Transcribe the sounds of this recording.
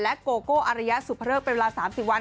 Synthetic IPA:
lɛ˦˥ʔkoː˧koː˥˩ʔa˧ɾa˧ja˦˥ʔsu˨˩pʰa˧ɾɤː˥˩pa˧nwe˧laː˧saː˩˦msi˨˩wa˧

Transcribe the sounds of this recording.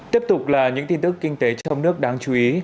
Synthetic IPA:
t̪i˦˥əp̚t̪ʊ˨˩k͡p̚laː˨˩ɲɨ̰˧˥ŋt̪i˧nt̪ɨ˦˥kːï˧ŋ̟t̪e˨˦t͡ɕɔ˧wŋ͡mnɨ˦˥ək̚ɗaː˧ŋt͡ɕu˨˦ʔi˨˦

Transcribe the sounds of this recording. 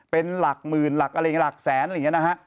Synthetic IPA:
pe˧nla˨˩k̚mɯː˨˩nla˨˩k̚a˧jŋ˦˥la˨˩k̚sɛː˩˦nʔla˧jŋ˦˥na˦˥kʰa˦˥ʔ

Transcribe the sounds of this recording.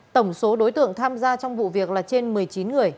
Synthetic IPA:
t̪ə˧˩wŋ͡mso˨˦ɗo˨˦jt̪ɨ̰˧˨əŋt̪ʰaː˧mzaː˧t͡ɕɔ˧wŋ͡mvṵ˧˨vi˨˩ək̚laː˨˩t͡ɕe˧nmɨ˨˩əjt͡ɕi˨˦nŋɨ˨˩əj

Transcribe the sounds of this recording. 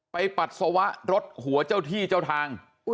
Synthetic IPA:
pa˧jpa˨˩t̪̚sa˧wa˦˥ʔɾo˦˥t̪̚hu˨˩˦ɐt͡ɕa˥˩wt̪ʰiː˥˩t͡ɕaː˥˩wt̪ʰaː˧ŋ

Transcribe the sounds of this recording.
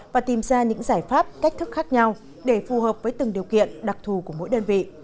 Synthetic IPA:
vaː˨˩t̪i˨˩mzaː˧ɲɨ̰˧˥ŋzaː˧˩jfaː˦˥p̚ka˦˥k̟̚t̪ʰɨ˦˥k̚xaː˦˥k̚ɲa˧w | ɗe˧˩fu˨˩həː˨˩p̚vəː˨˦jt̪ɨ˨˩ŋɗi˨˩əwkḭ˧˨ənɗa˨˩k̚t̪ʰu˨˩ku˧˩əmo̰˧˥jɗəː˧nvḭ˧˨

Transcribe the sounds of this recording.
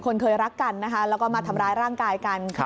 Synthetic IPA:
kʰo˧nkʰɤː˧jɾa˦˥kːa˧nːa˦˥kʰa˦˥lɛː˦˥wkɔː˥˩maː˧t̪ʰa˧mɾaː˦˧jɾaː˥˩ŋkaː˧jkaː˧nʰ

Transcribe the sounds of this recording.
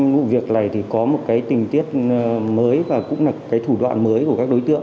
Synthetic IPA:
vṵ˧˨vi˨˩ək̚naː˨˩jt̪ʰi˨˩kɔ˨˦mo˨˩t̚kaː˨˦jt̪ï˨˩ŋ̟t̪i˦˥ət̚məː˨˦jvaː˨˩kʊ̰˧˥ŋ͡mlaː˨˩kaː˨˦jt̪ʰu˧˩ɗwa̰ː˧˨nməː˨˦jku˧˩əkaː˦˥k̚ɗo˨˦jt̪ɨ̰˧˨əŋ

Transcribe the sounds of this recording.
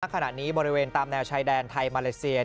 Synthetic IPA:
kʰːa˧na̰˨˩niː˦˥bɔː˧ɾi˦˥weː˧nt̪aː˧mnɛː˧wt͡ɕʰaː˧jdɛː˧nt̪ʰa˧jmaː˧le˧˦si˧ɐ

